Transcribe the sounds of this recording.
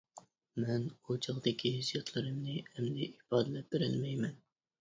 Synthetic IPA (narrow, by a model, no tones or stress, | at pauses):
mɛnot͡ʃʰɑʁd̪ɪkʲʰizijɑt̪ʰlˠɨɾɨmnɨɛmd̪ɪʔipɑːd̪ɨlɛp̚beɾɪ̰lmɛjmɛn